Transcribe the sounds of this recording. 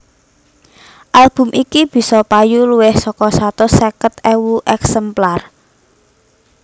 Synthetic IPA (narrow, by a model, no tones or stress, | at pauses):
ʔalb̥ʊ̤mʔikib̥i̤sɔpajuluwɪhsɔkɔsat̪ɔsɛkət̪ɛwuʔɛksɛmplar